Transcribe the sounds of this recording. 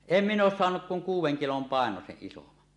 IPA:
em minˑ oːs soɑnuk kuŋ kuːwˑeŋ kilom pɑˑenoseʔ ʔisomɑn

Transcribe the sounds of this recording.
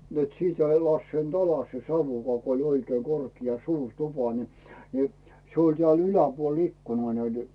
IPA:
net siˑtæ ei lɑsːeint ɑlɑs se sɑuʋukɑː ko olʲ oikeː korkiɑ suːr tupɑ ni ni se olʲ tĕæˑl ylæpuol ikːunɑː næite̥

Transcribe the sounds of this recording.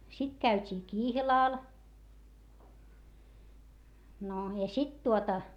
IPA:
sit kæytʲiː kihlɑˑl no jɑ sit tuotɑ

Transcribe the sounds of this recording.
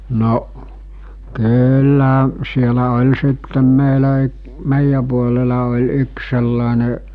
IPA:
noʔ kyːlːæˑ sielæ olʲ sitːem meilæ y meˑijæ puolelɑ olʲ yks selːɑˑene

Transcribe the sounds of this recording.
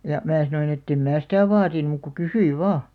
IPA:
jɑ mæː sɑnoin etːem mæː sitæˑ ʋɑːtin muˑk ku kysyiʋ̆ ʋɑː

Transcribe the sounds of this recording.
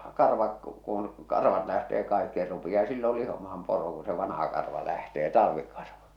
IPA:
kɑrʋɑk kun̞ kɑrʋɑt læhteː kɑikːi se rupiɑː silːol lihomɑhɑm poro ku se ʋɑnɑhɑ kɑrʋɑ læhteː tɑlɑ̆ʋi kɑrʋɑ

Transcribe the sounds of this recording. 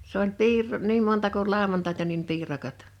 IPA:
s olʲ piːrˑoˑ niːm montɑ kul lɑˑowɑntɑˑitɑ nim piːrɑkɑt

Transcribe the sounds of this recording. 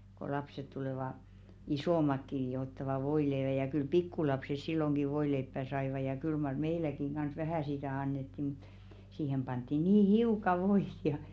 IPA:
ko lɑpset tuleˑʋɑ isoˑmɑkːi n̆ĭ jo otːɑʋɑ ʋoileːʋæ jɑ kyl pikːulɑpses silːoŋɡ̊i ʋoileipːæˑ sɑiʋɑ jɑ kyl mɑr meilækiŋ ɡ̊ɑns ʋæhæˑ sitæˑ ɑnːetːi mu̥t siːhem pɑntˑi niː hiukɑ ʋoit jɑ

